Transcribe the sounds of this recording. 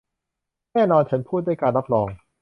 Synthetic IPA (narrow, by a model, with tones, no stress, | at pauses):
nɛː˥˩nɔː˧nt͡ɕʰa˦˥npʰuː˥˩t̪̚da˥˩jkaː˧nɾa˦˥p̚ɾɔː˧ŋ